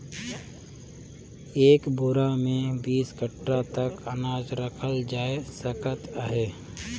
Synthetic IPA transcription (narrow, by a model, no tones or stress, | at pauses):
eːkbʊɾamẽbiːsɡəʈɾat̪əkənaːd͡ʒɾəkʰəld͡ʒaːesəkət̪aɦeː